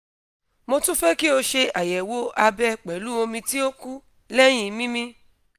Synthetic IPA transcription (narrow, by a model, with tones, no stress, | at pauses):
mo˧tũ˦fɛ˦ki˦o˧ʃe˧a˨jɛ˨wo˦a˧bɛ˦k͡pɛ˨˦lu˨˦o˧mĩ˧ti˦o˦ku˦ | lɛ˦j̃ĩ˧mĩ˦mĩ˧